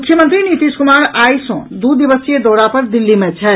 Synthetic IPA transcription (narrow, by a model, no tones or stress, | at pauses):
mʊkʰjəmə̃nt̪ɾinit̪iːskʊmaːɾaːisõ̰d̪ud̪iʋəsed̪ɔːɽapɐɾd̪ɪlːimẽt͡ʃʰɛ